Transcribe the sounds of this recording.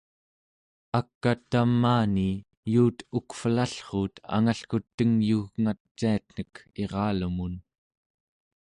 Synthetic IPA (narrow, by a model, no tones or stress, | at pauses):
akːat̪amːaːni | juːt̪ukfəlaɬχuːt̪ʰa̰ŋaɬkut̪ːəŋjuɣŋat̪t͡ʃːiat̪n̥əke̞ʁɑːlumun